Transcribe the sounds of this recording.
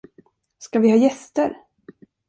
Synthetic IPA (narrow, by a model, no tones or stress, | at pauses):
skavɪhɑːjɛst̪əɾ